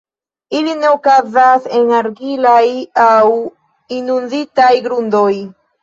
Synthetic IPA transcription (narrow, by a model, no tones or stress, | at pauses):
ilineokazase̞naɾɡilajaw | inunditajɡɾundo̞j